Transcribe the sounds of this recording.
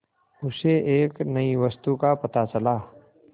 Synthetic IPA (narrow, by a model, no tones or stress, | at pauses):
ʊseʔeːknɐiʋəst̪ukapɐt̪at͡ʃɐlaː